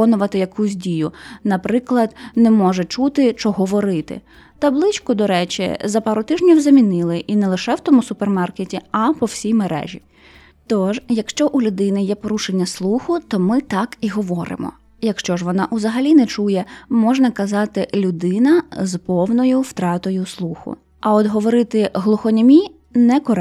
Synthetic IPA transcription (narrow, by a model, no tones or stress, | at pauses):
ɔnʊʋɐt̪ɪjɐkusʲdʲijʊnɐpɾɪklˠɐd̪nɛmɔʒɛt͡ʃut̪ɪt͡ʃɔɦɔʋɔɾɪt̪ɪ̰ | t̪ɐblˠɪt͡ʃʲkʊd̪ɔɾɛt͡ʃḭzɐpɑɾʊt̪ɪʒnʲiwzɐmʲinɪlˠɪʔinɛlˠɪʃɛwt̪ɔmʊsʊpermɑrketʲiɐpɔwsʲijmeɾɛ̰ʒʲi | t̪ɔʒjɐkʃt͡ʃɔʔulʲʊd̪ɪnɪjɛpɔɾuʃenʲːɐslˠuxʊt̪ɔmɪt̪ɑkiɦɔʋɔɾɪ̰mɔ̰ | jɐkʃt͡ʃɔʒʋɔnɑʔuzɐɦɐlʲinɛt͡ʃujɛmɔʒnɐkɐzɑt̪ɪlʲʊd̪ɪnɐzpɔwnɔjʊwt̪ɾɑt̪ɔjʊslˠuxʊ̰ | ɐɔd̪ɦɔʋɔɾɪt̪ɪɦlˠʊxɔnʲɔmʲi | nɛkɔɾɛ